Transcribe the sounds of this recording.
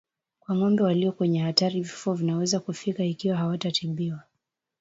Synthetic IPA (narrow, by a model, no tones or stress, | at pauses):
kwaŋɔmbɛwaliɔkwɛɲɛhataɾivifuavinawɛzakufikaikiwaɦawatatimbiwa